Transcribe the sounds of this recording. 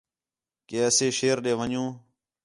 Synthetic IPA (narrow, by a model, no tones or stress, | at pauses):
keːəseːʃeːɾɗeːʋəɲjũː